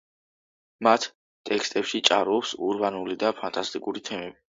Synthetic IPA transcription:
mat̪ʰ | t̪ʼɛkst̪ʼɛpʃit͡ʃʼaɾɔpsuɾbanulid̪apʰant̪ʼast̪ʼikʼuɾit̪ʰɛmɛbi

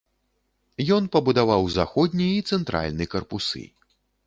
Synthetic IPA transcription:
jɔnpɐbud̪avawzaxɔd̪ʲnʲiit̪sɛnt̪ɾa̰lʲnɨkɐrpusɨ̰

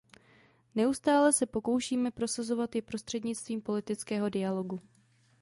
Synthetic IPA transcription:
nɛust̪aːlɛsɛpo̞ko̞wʃiːmɛpɾo̞sazo̞vat̪jɪpɾo̞st̪r̝̥ɛdɲɪt͡st̪viːmpo̞lɪt̪ɪt͡skɛːɦo̞dɪalo̞ɡu

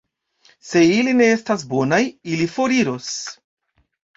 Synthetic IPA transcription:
se̞iline̞estasbo̞najilifo̞ɾiɾos

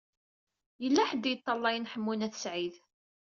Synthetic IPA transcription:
jəlːæħəd̪jət̪ˤːɑlˤːɑjənħəmːunæθə̥sʕið

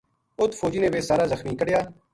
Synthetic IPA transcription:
ʊt̪ʰːfʰoːd͡ʒiːnẽːʋeːsaːɾaːzəxmiːkəɽjaː

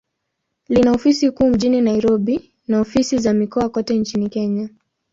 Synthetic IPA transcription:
linaɔfisikuːm̩ʄininaiɾɔɓi | naɔfisizamikɔakɔtɛnt͡ʃinikɛɲa

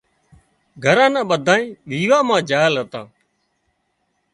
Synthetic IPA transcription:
ɡʱəɾãːnãːɓəd̪ʱaːĩːʋiːʋaːmãːd͡ʒaːlɦət̪ãː

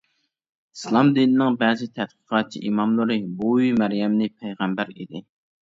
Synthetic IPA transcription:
islˠɑmd̪ɨnnɪŋbɛzɪt̪ʰɛt̪̚qʰə̥qʰɑt͡ʃʰḭʔimɑmlˠɨɾɨbuyjmæɾjɛmnɪpʰɛjʁæmbæɾḭd̪ɪ

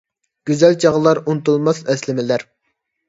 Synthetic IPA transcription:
ɡ̥ʲyzɛlt͡ʃʰɑʁlˠɑɾunt̪ulˠmɑsɛslɪmɪlæɾ

